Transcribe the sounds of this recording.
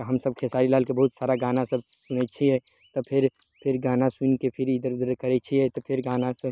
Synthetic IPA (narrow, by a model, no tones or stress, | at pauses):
ɦɐmsɐb̚kʰesaːɾilaːlkebɐɦut̪saːɾaɡaːnasəb | sʊnet͡ʃʰiɛ | t̪ɔpʰɪɾ | pʰɪɾɡaːnasʊnkepʰɪɾid̪əɾd̪əɾkɐɾɛt͡ʃʰiɦɛt̪ɔpʰɪɾɡaːnas